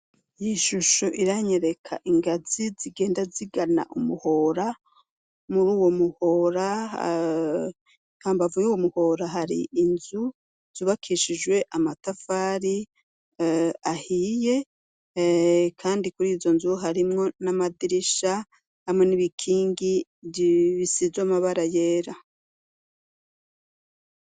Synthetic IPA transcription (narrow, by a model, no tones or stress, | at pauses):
jiʃuʃoʔiɾaɲe̞ɾe̞kʰa̰ʔiŋɡaziziɡe̞ːndaziɡana̰ʔumuho̞ːɾa | muɾuːwo̞muho̞ːɾa | haːmbavujuːwomuho̞ɾaɦaɾḭʔːnzu | z̥uːβakʰiʃid͡ʒwe̞ʔamatafaːɾi | ahije̞ | kʰaːndikuɾiːzo̞nzuɦaɾimŋo̞namadiɾiʃa | hamŋe̞niβikʰiːŋɡi | βisizwamaβaɾajeːɾa